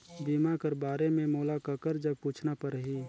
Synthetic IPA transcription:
biːmakəɾbaːɾemẽmoːlakəkəɾd͡ʒəb̚puːt͡ʃʰnapəɾɦiː

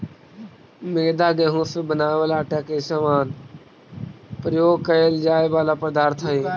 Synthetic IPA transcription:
meːd̪aːɡeɦõːsebənaːʋəlaːʈaːkeːʃəʋaːn | pəɾjoːɡkəld͡ʒaːeːʋaːlaːpəd̪aːɾt̪ʰəiː

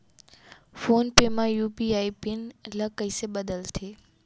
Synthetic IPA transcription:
foːnpemãjuːpiaːipɪnlɐkəiseɓɐd̪əlt̪ʰeː

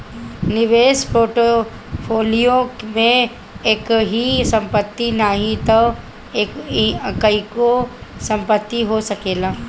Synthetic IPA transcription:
nɪʋeːʃpɾoːʈo | pʰoːlijomẽ | eːkɦisɐ̃mpət̪ːinaɦĩt̪o | eːkkɐikosɐ̃mpət̪ːiɦosɐkeːlaː

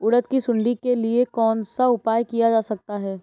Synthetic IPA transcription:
ʊɽət̪kisʊ̃ɳɖikeliekɔːnsaʊpaːjkijad͡ʒaːsɐk̚t̪aɦɛː

